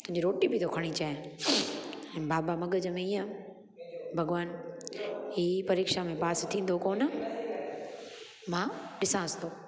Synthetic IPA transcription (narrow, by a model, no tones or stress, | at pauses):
t̪ʊɦɪ̃ɲd͡ʑiɾoːʈibɪt̪ʰokʰɐɽ̃it͡ɕãː | ɛ̃ːbaːbamɐɠəd͡ʑəmẽiːə̃ | bʱɐɡʋaːn | iːpɐɾeːkʃamẽpaːst̪ʰĩːn̆d̪okoːnə | mãːɗɪsãɐst̪oː